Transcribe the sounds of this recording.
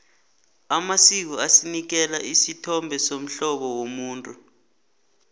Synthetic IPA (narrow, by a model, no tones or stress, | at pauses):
amasik̬uasinik̬ɛlaʔisitʰɔmbʱɛsom̩ɬɔɓɔwomuːntʼu